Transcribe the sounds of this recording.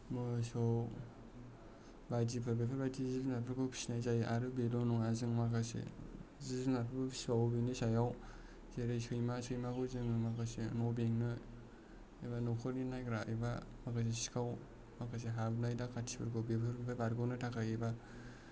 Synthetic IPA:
mɯsow | bajd͡ʒipʰɯɾbepʰaɾbajtizibnapʰɯɾkʰɯwpʰi̥snajzajʔaɾɯbelonuŋazɯŋmakʰasḛziznapʰbpʰi̥sawbinisajaw | zeɾɯsʰɯjmasɯjmakʰuzɯŋmakasḛnɔbeŋnɯ | ebanokʰɯɾninajɡɾaejbamakas̬isi̥kʰaw | makʰas̬eɦabnajdakʰatʰi̥pʰɯɾkʰɯwbepʰɯɾbepʰabaɾɡonɯtʰakʰajeba

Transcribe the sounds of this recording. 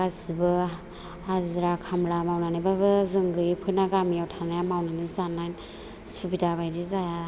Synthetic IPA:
azibɯ | azɾakʰamlamawnanibabɯzɯŋɡɯjpʰɯjnaɡamiawtʰanajamawnanizanajn | subidaβajdizaja

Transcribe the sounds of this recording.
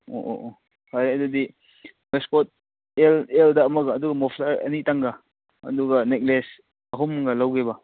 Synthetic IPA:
o̰ʔo̰ʔo | hajɾadɐdi | meskot̚ | eleldɐːmɐɡaːduɡɐmɔpʰlaɾɐ̰nitaŋɡa | ɐ̰duɡɐnek̚les | ɐɦumːŋɡalawɡebɐ

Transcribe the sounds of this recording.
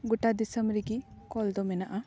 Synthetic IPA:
ɡuʈad̪isəmɾiɡikɔld̪ɔmɛnaʔa

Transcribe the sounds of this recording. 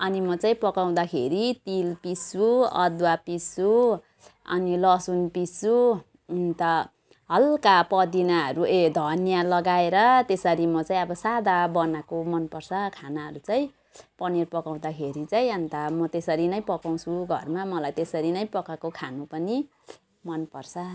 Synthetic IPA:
ʌnimʌt͡saĩpʌkaw̃d̪akʰeɾit̪ilpisuʌ̰d̪wapisu | ʌ̰nilʌsunpisu | nt̪ʌ | ɦʌlkapʌd̪inaʌɾued̪ʱʌnjalʌɡaeɾʌt̪esʌɾimʌt͡saĩʌbʌsad̪ʱabʌnakomʌnpʌrsʰʌkʰanaɦʌ̰ɾut͡saĩ | pʌnirpʌkaw̃d̪akʰeɾit͡saĩʌnt̪amʌt̪esʌɾinʌj̃pʌkaw̃t͡sʰuɡʱʌrmamʌlajt̪esʌɾinʌj̃pʌkakokʰanupʌni | mʌnpʌrsʰʌ

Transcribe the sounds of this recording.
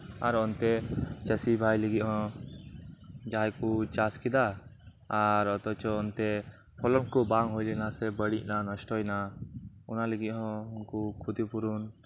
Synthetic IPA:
aɾɔnt̪ɛt͡ʃəsibʱajlɛɡiʔ̚ˀhɔ̃ | d͡ʒajkut͡ʃaskid̪a | aɾɔt̪ɔt͡ʃɔɔnt̪ɛ | pʰɔlɔnkubaŋɦujlɛnasɛbəɽiʔ̚ˀnanɔsʈɔjnaɔnalɛɡit̪̚ɦɔ̃unkukʰud̪ipuɾun

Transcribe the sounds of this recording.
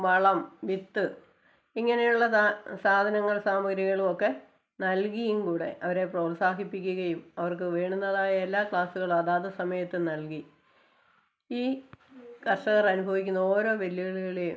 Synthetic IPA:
ʋɐɭɐmʋit̪ːɨ | iŋːɐnejuɭːɐsaːd̪ʱɐnɐŋːɐɭsaːmɐɡɾjɐɣɐɭumo̞kːe̞ | nɐlkijumkuːɽe̞̰ʔɐʋɐɾe̞proːlsaːkipːikʲːuɣɐjumɐʋɐrkɨʋe̞ːɳunːɐðaːjɐelːaːkɭaːsuɣɐɭumɐðaːðɐsɐmɐjɐt̪ːɨnɐlki | iː | kɐrʂɐɣɐrɐnubʱɐʋikʲːunːɐo̞ːɾo̞ːʋelːiɣɐɭiɣɐɭeu

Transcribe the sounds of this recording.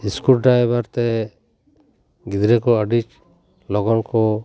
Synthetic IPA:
iskulɖɾajbaɾt̪e | ɡid̪ɾɛkɔəɖit͡ʃ | lɔɡɔnkɔ

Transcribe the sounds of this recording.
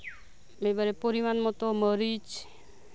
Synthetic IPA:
mebaɾepoɾimanmɔt̪oməɾit͡ʃ

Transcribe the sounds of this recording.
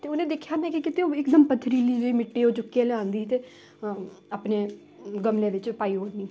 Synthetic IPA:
t̪eːʊnẽːd̪eːkʰːjaːmɛ̃ːkikɪt̪eoːɪkd̪əmpət̪ʰːɾiːliːd͡ʒoiːmɪʈːiːoːt͡ʃʊkːeleːãːnd̪iːt̪eː | apneː | ɡəmleːʋɪt͡ʃpaːiːɦoːɾniː

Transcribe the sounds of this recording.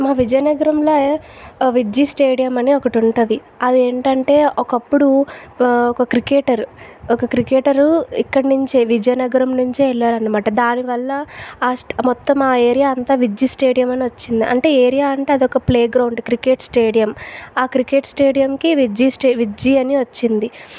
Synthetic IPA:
maːʋid͡ʒɐjɐnɐɡɐɾɐmlo | ʋid͡ʒisʈeːɖijɐmɐniɔkɐʈuɳʈud̪i | ɐd̪ieːɳʈɐɳʈe̞ːɔkɐpːuɽu | ɔkɐkɾikeːʈɐɾɔkɐkɾikeːʈɐɾuikːɐɽɐnuɲt͡ʃeʋid͡ʒɐjɐnɐɡɐɾɐmnuɲt͡ʃiɛlːaːɾɐnːɐmaːʈɐd̪aːniʋɐlːɐːsmɔt̪ːɐmaːeːɾijaːɐnt̪aːʋid͡ʒisʈe̞ːɽijɐmɐniʋɐt͡ʃːind̪iʔɐ̰ɳʈe̞ːeːɾijaːɐɳʈe̞ːɐd̪iɔkɐpleːɡɾɐwɳɖkɾikeːʈsʈeːɽijɐmaːkɾike̞ːʈsʈe̞ːɽijɐmkiʋid͡ʒisʈːʋid͡ʒiɐniʋɐt͡ʃːind̪i

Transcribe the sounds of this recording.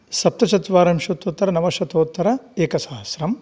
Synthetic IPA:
sɐp̚t̪ɐt͡ʃɐt̪ʋaːɾɐmʃɐt̪oːt̪ːɐɾɐnɐʋɐʃɐt̪oːt̪ːɐɾɐeːkɐsaːɦɐsɾɐm

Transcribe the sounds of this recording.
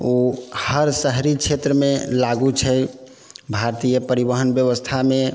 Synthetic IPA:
ohəɾsəɦɾikt͡ʃʰet̪ɾəmelaɡut͡ʃʰəj | bʱaɾt̪ijəpəɾibəɦənbjəʋəst̪ʰame

